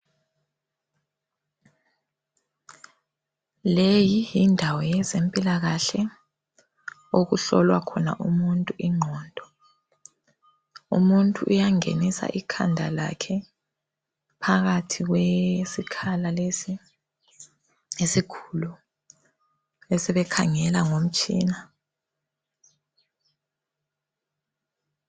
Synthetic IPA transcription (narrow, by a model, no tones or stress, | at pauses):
lejijindʱawɔjɛzempʼilaɣaɬɛ | oɣuɬɔlwakʰɔna̰ʔumuntʼuʔiŋ͡ǃʱɔːndʱɔ | ṵmuntʼuʔujaŋḛnisa̰ʔikʰa̰ndʱala̰kʰɛ | pʰaɣatʰiɣwesikʰalalesi | esikʰu̥lu | ɛsɛβɛkʰaŋɛlaŋom̩t͡ʃʼḭːna